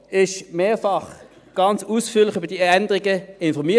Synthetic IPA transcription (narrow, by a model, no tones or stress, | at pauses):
ɪʃmeːfɑχ | ɡ̥ɑnt͡suːsfyːɐlɪχøbəd̥iːɛndəʁɪɡəɪnfɔʁmiː